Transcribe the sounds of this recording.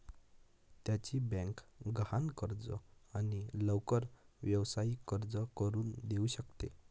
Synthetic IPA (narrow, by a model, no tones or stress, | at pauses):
t̪jat͡ɕibɛ̃ŋkɡankəɾd͡zə̰aniləwkəɾʋjəʋsaikəɾd͡zəkəɾuːnd̪euɕəkt̪ḛ